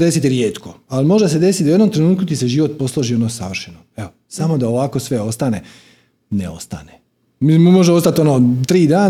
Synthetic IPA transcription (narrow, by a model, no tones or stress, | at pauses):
d̪e̞sit̪iɾjeːt̪ko̞alimo̞ʒd̪ase̞d̪e̞sit̪d̪ujenomt̪ɾe̞nuːt̪kut̪iseʒiːʋo̞t̪̚po̞slˠo̞ʒio̞dnoːsaʋr̩ʃenoeo | samo̞d̪aoʋaːko̞sʋe̞o̞st̪ane̞ | nḛo̞st̪a̰ne | mimmo̞ʒeo̞st̪at̪o̞noːt̪ɾiːd̪aːn